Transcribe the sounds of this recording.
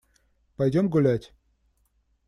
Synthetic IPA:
pɐjdʲomɡʊlʲætʲ

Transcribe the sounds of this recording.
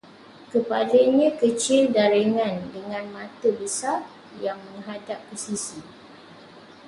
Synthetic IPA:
kəpadəɲãkət͡ʃɪldaɾəŋãndəŋãnmãt̪əbəsar | jaŋmə̃ŋɦadapːəsisi

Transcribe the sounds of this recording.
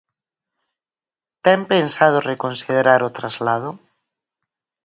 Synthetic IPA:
t̪ɛmpensað̞ʊrekonsiðeɾaɾʊt̪ɾazlað̞ʊ

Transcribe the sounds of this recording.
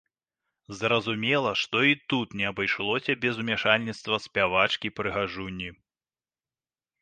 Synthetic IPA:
zɾɐzumʲɛlˠɐʂt̪ɔit̪ut̪nʲɛɐbajʂlˠɔsʲɐbʲɛzumʲɛʂalʲnʲit̪st̪vɐsʲpʲavat͡ʂkʲipɾɨɣaʐunʲːi

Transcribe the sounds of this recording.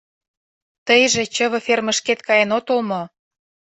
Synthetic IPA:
t̪əjʒĕt͡ɕə̆βɤ̆fermə̆ʃket̪kɑjenot̪olmŏ

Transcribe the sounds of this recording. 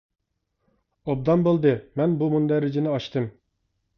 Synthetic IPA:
ob̚d̪ɑnbolˠd̪ɨmɛnbumund̪ɛɾɪd͡ʒinɪɑʃt̪ʰɨm

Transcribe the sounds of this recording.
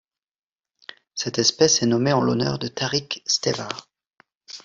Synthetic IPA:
sɛt̪ɛspɛsɛnɔmeɑ̃lɔnœ̰ʁd̪ət̪ʰaʁikst̪evaʁ

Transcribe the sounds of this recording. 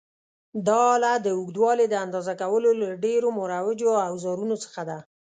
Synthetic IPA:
d̪ɑlad̪əuɡd̪wɑled̪əand̪ɑzakawəlolaɖeɾomʊɾawɪd͡ʒoawzɑɾunot͡sə̥xad̪a

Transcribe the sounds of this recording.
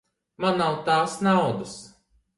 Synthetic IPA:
manːawt̪aːsnawd̪as

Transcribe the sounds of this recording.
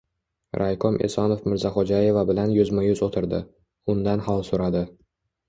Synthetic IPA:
ɾʔajkʰɒmʔḛsɒnofmɪɾzaχod͡ʒaje̞vabɪlanjʊzmajʊzot̪ʰɪɾd̪ɪ | ʊnd̪anhalˠsoɾad̪ɪ

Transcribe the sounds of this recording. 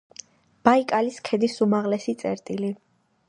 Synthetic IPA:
b̥aikʼaliskʰɛd̪isumaʁlɛsit̪sʼɛɾt̪ʼili

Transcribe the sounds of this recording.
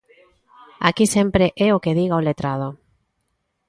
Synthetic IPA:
akisempɾeʔɛokeðiɣaolet̪ɾað̞o

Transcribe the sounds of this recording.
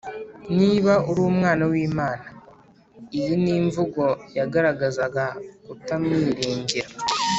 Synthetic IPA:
niβauɾuːmŋaːnawiːmaːna | ijiniːɱvuɡo̞jaɡaɾaɡazaɡakutamŋiːɾiːɲɟiɾa

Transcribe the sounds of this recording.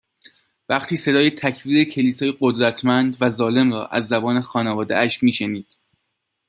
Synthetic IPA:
væχt̪ʰiːse̞d̪ɒːjet̪ʰæcʰviːɾecʰe̞liːsɒːjeɢod̪ɾæt̪ʰmænd̪væzɒːle̞mrɒ̰ːʔæ̰zːæbɒːne̞xɒːnevɒːd̪ḛʔæʃmiːʃeniːd̪̥

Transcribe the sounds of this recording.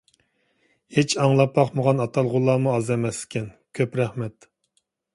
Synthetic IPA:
het͡ʃʰɑŋlˠɑpʰːɑχmoʁɑnɑt̪ʰɑlˠʁʊlˠːɑːmuɑzɛmɛslɪ̥kʲɛn | kʲʰøpɾɛχmɛt̪

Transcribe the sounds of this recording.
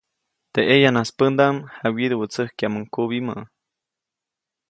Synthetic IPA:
t̪eʔejanaspənd̪amhawid̪əwət͡səhkjaməŋkuβimə̰ʔ

